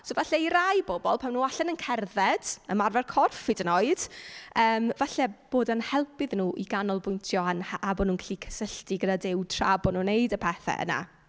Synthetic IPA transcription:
sovaɬɛiɾajbɔbɔlˠpʰawnuːaɬɛnənkʰɛrðɛd̥əmarvɛrkʰɔrfidənɔɨd̥əːmvaɬɛb̥oːdanhɛlˠpɨðnuːʔiɡanɔlˠbʊjntʰjɔanhaʔabɔnuːnkʰaɬikʰə̥səɬtiɡədadɪwtʰra̰bɔnuːnejdəpʰɛθɛ̰ʔə̰na̰

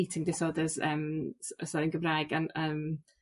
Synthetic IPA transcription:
itʰɪŋdɪsɔːdəzəːmsəsɔɾənɡəmrajɡanəːm

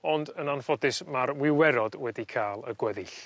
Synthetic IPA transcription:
ɔndənanfɔdɨsmaɾwɪwɛɾɔd̥wɛdikʰaːlˠə̰ɡwɛðɨɬ

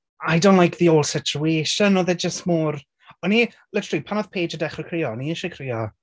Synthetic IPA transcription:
ajdõnʔlajk̚ðioːlˠsɪt͡ʃueːʃənɔðɛd͡ʒəstmɔːr | ɔni | lɪtəlˠipʰanɔð̥pʰeːd͡ʒədɛχəkʰrijɔɔniɪʃɛkʰriɔ

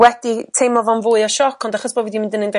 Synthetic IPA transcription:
wɛditʰejmɔvɔnvʊːɨɔʃɔkʰɔndaχɔsbɔlˠvidimɪ̃ndənɪnd

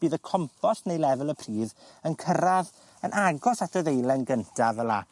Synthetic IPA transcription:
b̥iːðəkʰɔmpʰɔsnejlɛvəlˠəpʰriːðənkʰəɾað | ənʔaɡɔsatʰəðejlɛnɡəntʰavəlˠa̰

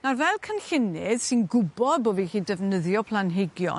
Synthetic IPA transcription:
narvɛlˠkʰənɬɪnɪð̥sɨnɡʊbɔðboːvihiːdɛvnəðjɔpʰlˠanɦeɡjɔ̰

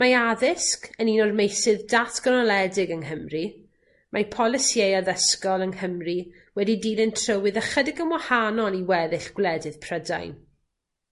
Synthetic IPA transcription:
maaðɪskəninɔrmejsɨðdatʰɡ̥ənɔlˠɛdɪɡəŋɦəmri | majpʰɔlˠɪsjejaðəskɔlˠəŋhəmri | wɛdidiːnɪntʰrəwɪðəχədɪɡəmwahanɔlˠiwɛðɪɬɡ̥wlɛdɨð̥pʰrəda̰jn

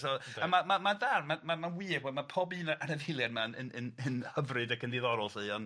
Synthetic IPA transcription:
sɔamamamaðarmamamanwiːrwɔmapʰɔbiːnaanəvɪlˠjadmanə̰nənənhəvrɨdakʰəndɪðɔɾɔlˠsɨɔn

